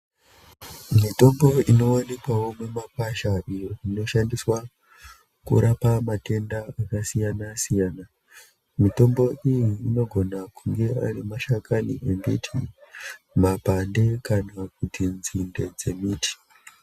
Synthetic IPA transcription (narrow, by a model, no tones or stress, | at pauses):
mito̞mbo̞ino̞ane̞kwawomwemap̚aʃaʔijoino̞ʃandiswa | kṵɾapamate̞ndaakasijanasijaːna | mito̞mbo̞ijiːno̞ɡʱo̞nakuŋɡe̞a̰ɾimaʃakʰaniʔembitʰḭ | mapande̞kanak̚utinzinde̞d͡ze̞miːtʰi̥